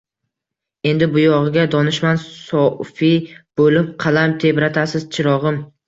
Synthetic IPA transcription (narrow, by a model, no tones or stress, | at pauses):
e̞nd̪ɪbʊjɒʁɨɡʲad̪ɒnɪʃmansɒfib̥olɪpqʰɑlamt̪ʰe̞bɾat̪ʰasɪz̥t͡ʃʰɪɾɒʁɨm